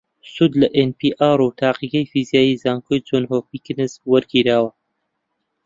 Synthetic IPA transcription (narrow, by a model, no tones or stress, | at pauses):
sud̪lɐʔenpiːʔaːɾut̪ʰaːqiɡɐjfizijaːjiːzaːŋkʰoːjd͡ʒonɦoːpikɨnɨzwɐɾɡiɾaːwɐ